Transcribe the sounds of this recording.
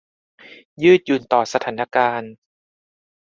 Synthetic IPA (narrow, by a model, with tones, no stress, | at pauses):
jɯː˥˩t̪̚juː˨˩nt̪ɔː˨˩sa˧t̪ʰaː˩˦nːa˧kaː˧n